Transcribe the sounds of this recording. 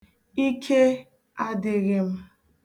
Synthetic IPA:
i˦kʰe˦ | a˦dɪ˨ɣɪ˦m̩˦

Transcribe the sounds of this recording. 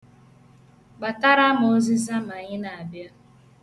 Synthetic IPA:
ɡ͡ba˨ta˦ɾa˦ma˨o˦zi˦za˦m˨a˨ɲɪ˦na˨a˨bja˦

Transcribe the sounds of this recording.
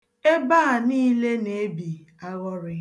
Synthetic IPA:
e˦ba˦˨niː˦le˦ne˨e˦bi˨ | a˦ɣɔ˦ɾɪ˦

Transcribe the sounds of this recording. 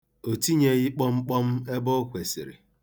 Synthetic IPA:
o˨ti˦ɲe˦ɣi˦k͡pɔ˦ŋ͡m̩˦k͡pɔ˦m̩˦e˦bɔ˦kʷe˨sɪ̰˨ɾɪ̰˨

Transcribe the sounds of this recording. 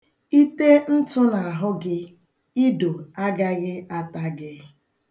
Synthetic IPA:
i˦te˦n̩˦tʊ˦na˨a˨ɦʊ˦ɡɪ˦ | i˦do˨a˦ɡa˦ɣɪ˦ʔa˦ta˦ɡɪ˦

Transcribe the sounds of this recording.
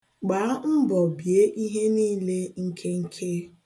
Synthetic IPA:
ɡ͡ba˨a˦m̩˦bɔ˨bje˦ʔi˦ɦe˦niː˦le˦ŋ̩˦kʰe˦ŋ̩˦kʰe˦

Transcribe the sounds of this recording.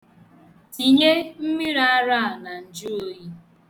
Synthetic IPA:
ti˨ɲe˦m̩˦mi˦ɾa˦ɾa˦˨a˨na˨n̩˨d͡ʒʊ˦o˦ji˦

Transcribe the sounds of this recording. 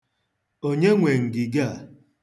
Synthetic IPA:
o˦ɲe˦ŋʷe˨ŋ̩˨ɡɪ˨ɡa˦˨

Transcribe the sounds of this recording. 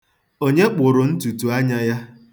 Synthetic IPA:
o˦ɲe˦k͡pʊ˨ɾʊ˨n̩˦tu˨tu˨a˦ɲa˦ja˦

